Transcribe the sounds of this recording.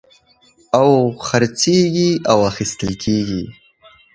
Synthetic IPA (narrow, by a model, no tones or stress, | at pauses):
awxaɾt͡seɡiawaxist̪əlkʰeɡi